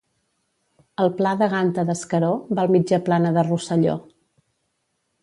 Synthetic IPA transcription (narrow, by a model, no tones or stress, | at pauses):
əlˠplaðəɣ̞ant̪əðəskəɾobalˠmid͡ʒəplanəðərusəʎo̰